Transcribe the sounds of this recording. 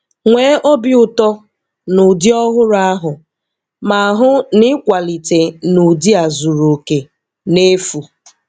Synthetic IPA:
ŋʷeː˨˦ʔo˦bi˦ʊ˨tɔ˦ | nʊ˨di˦ɔ˦ɦʊ˦ɾa˦ɦʊ˨ | ma˨a˨ɦʊ˦nɪ˦kʷa˨li˨te˨nu˨di˦a˨zu˨ɾo˨ke˨ | ne˦fu˨

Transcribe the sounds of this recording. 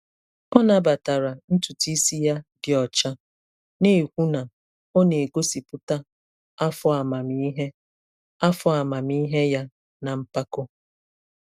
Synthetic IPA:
ɔ˦na˨ba˨ta˨ɾa˨n̩˦tu˨ti˦si˦ja˦dɪ˨ɔ˨t͡ʃa˦ | ne˦˨kʷu˦na˨ | o˦ne˨e˨ɡo˦si˨pʊ˦ta˦ | a˦fɔ˦a˨ma˨mi˦ɦe˦ | a˦fɔ˦a˨ma˨mi˦ɦe˦ja˦ | na˨m̩˦pa˦ko˦

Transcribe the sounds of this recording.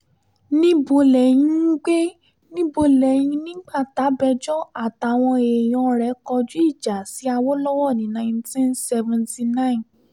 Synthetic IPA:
nĩ˦bo˧lɛ˨j̃ĩ˦n̩˦ɡ͡be˦ | nĩ˦bo˧lɛ˨j̃ĩ˧nĩ˦ɡ͡ba˦˨ta˨˦bɛ˧d͡ʒɔ˦a˨ta˨w̃ɔ̃˧e˨j̃ɔ̃˧ɾɛ˨˦kɔ˧d͡ʒu˦i˦˨d͡ʒa˨si˨˦a˧wo˦lɔ˦wɔ˦˨nĩ˨˦nã˧˨ĩ˧ntĩ˦nsɛ˧vɛ̃˨nti˧nã˦ĩ˨n

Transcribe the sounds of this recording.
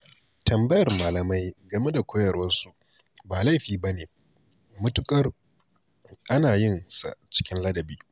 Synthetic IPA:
tʰɐ˨mbɐ˦jɐ˨rmaː˨lɐ˨ma˦jɡɐ˨me˦da˨kʷʰoː˦jɐ˨rwɐ˦nsu˦ | baː˨la˦˨ɸiː˨bɐ˦neː˨ | mʊ˦tʊ˦kʼɐ˦r | ʔa˦naː˨jɪ˦nsa̰˨t͡ʃɪ̥˦kʲɪ˦nlɐ˦dɐ˨biː˦

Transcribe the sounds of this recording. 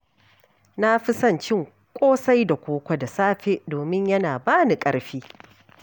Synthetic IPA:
na˦ɸɪ˦sɐ˦˨nt͡ʃɪ˦˨ŋ | kʷʼoː˦sa˦jda˨kʷoː˦kʷɐ˦da˨saː˦ɸe˦ʔdoː˨mɪ˦ɲjɐ˦naː˨baː˦ni˨kʼɐ˦ɽɸiː˦

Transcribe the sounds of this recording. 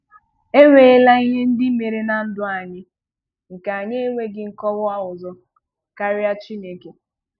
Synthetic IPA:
e˦wʷe˨e˦la˦i˦ɲe˦n̩˦dɪ˦me˨ɾe˦na˨n̩˦dʊ˦a˨ɲɪ˦ | ŋ̩˨ka˨ɲe˦e˦ŋʷe˦ɡɪ˨ŋ̩˦kɔ˦wʊ˦a˦ʊ˨zɔ˦ | ka˦ɾɪ˦a˦t͡ʃi˦ne˨ke˦

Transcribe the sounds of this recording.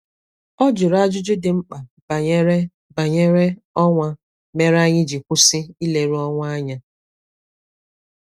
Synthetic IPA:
ɔ˦d͡ʒʊ˨ɾa˦d͡ʒʊ˦d͡ʒʊ˦dɪ˨ŋ͡m̩˦k͡pa˨b | ba˨ɲe˦ɾe˦ɔ˦ŋʷa˦ | me˦ɾa˦ɲɪ˦d͡ʒi˨kʷʊ˦sɪ˦i˦le˨ɾu˦ɔ˦ŋʷa˦a˦ɲa˦

